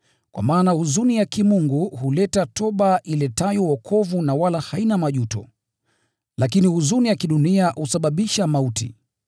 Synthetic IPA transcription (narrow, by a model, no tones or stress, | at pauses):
kwa̰maːnahuzunijakimuŋɡuhulɛtatɔɓaʔilɛtajɔwɔkʰɔvunawalahainamaʄutɔ̰ | lakinihuzunijakiɗuniahusaɓaɓiʃamautḭ